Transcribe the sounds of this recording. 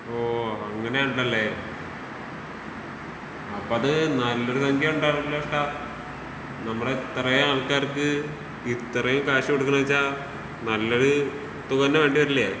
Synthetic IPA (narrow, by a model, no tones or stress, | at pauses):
oːɐŋːɐnejauɳɖɐlːe | ɐpːoːɐðɨnɐlːoɽusɐŋɡʱjɐuɳɖaːlːeʂʈaː | nɐmːɐɭet̪ːrɐjaɐlkaːrkːɨ | it̪ːrɐjomkaːɕɐkːeɽukːunɐʋɐt͡ɕːaː | nɐlːoɽu | t̪uɣɐnːeʋe̞ːɳɖiʋɐɾilːɐja̰ː